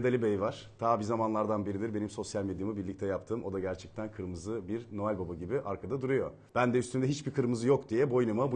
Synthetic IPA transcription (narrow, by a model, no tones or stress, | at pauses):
d̪alʲibejvaɾ̥t̪ʰabizamanlˠaɾd̪anbiɾid̪iɾbe̞nimso̞sjalʲme̞d̪jamɯbiɾlʲic̚t̪ʰɛjapt̪ʰɯːmʔo̞d̪aɟæɾt͡ʃʰɛc̚t̪ʰænkʰɯɾmɯzɯbiɾno̞alʲbabaɟibiʔaɾkʰad̪ad̪uɾujo̞ | b̥ænd̪ɛyst̪ʰynd̪ɛɦit͡ʃbikʰɯɾmɯzɯjo̞kd̪ijɛbo̞jnɯmabu